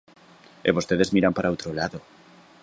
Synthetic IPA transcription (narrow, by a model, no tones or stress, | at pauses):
ḛβost̪eðe̞zmiɾampaɾaot̪ɾolaðo̞